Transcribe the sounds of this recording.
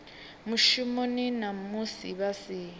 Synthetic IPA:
muʃimoninamusḭβasiː

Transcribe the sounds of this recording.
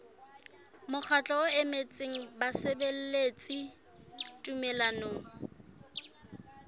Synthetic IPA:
mʊk͡xʰat͡ɬʼɔʊemet͡sʼeŋ̩basebel̩let͡sʼi | tʼumɛlanoːŋ̩

